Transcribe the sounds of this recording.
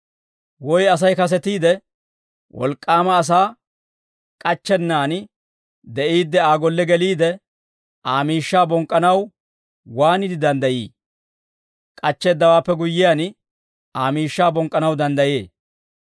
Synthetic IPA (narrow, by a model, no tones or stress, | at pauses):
wɔjɐs̬ɐjkɐs̬ɛt̪iːd̪ɛ | wʔɔ̰lkʼːaːmɐːs̬aː | kʼɐt͡ʃːɛnːaːn | d̪ɛʔiːd̪ːɛaːɡɔlːɛɡɛliːd̪ɛ | aːmiːʃːaːbɔŋkʼːɐnɐw | waːnɪd̪ɪd̪ɐnd̪ɐjiː | kʼɐt͡ʃːɛːd̪ːɐwaːpːɛɡʊjːɪjaːn | aːmiːʃːaːbɔŋkʼːɐnɐwd̪ɐnd̪ɐjḛː